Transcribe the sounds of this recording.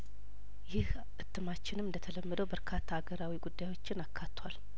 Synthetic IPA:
jɪh | ʔɨt̪ːɨmat͡ʃːɪnɨmɨnd̪ət̪ʰələmːəd̪əwbəɾkʰat̪ʰːaːɡəɾawiɡud̪ːajwo̞t͡ʃːɪnakʰːat̪ːwal

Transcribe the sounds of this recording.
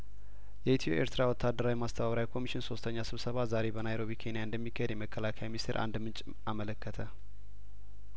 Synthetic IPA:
jɛit̪ʰijo̰ʔeɾt̪ʰɨɾawɔt̪ʰːad̪ːəɾawimast̪ʰəβaβɾawikʰo̞miʃɪnso̞st̪ʰəɲːasɨβsəβazaɾe̞bənajɾo̞βikʰe̞nijaɨnd̪əmːikʰːəjed̪jɛməkːəlakʰəjaminist̪ʰeɾʔa̰nd̪mɨnt͡ʃʼ | amələkːət̪ʰə

